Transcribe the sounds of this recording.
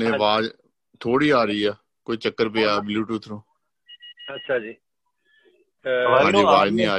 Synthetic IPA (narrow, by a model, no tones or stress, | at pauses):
ẽːʋaːd͡ʒ | t̪ʰoːɽiːaːɾəiːɛː | koːiːt͡ʃəkːəɾp̬eːaːbluːʈuːt̪ʰɾõː | ətːʃʰaːd͡ʒiː | ãːiːʋaːd͡ʒnĩːaː